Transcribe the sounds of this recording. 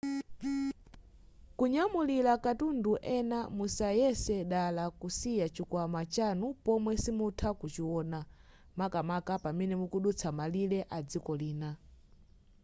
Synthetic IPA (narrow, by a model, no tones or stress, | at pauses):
kuɲamulilakatunduʔɛnamusajɛsɛɗalakusijat͡ʃikwamat͡ʃanupɔmwɛsimutʰakut͡ʃiwɔːna | makamakapamɛnɛmukuɗut͡sʰamalilɛʔad͡zikɔliːna